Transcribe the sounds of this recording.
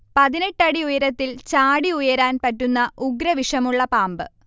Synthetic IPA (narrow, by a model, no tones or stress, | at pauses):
pɐðineʈːɐɽiujɐɾɐt̪ːilt͡ɕaːɽiujɐɾaːnpɐtːunːɐʔuɡɾɐʋiʂɐmuɭːɐpaːmbɨ